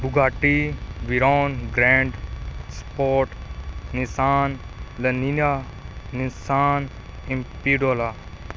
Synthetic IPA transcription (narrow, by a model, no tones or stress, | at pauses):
bʊɡaːʈiʋiɾoːnɡɾɛ̃ːɳɖspoːʈnisaːn | lɐninaː | nisaːn | impiɖoːlaː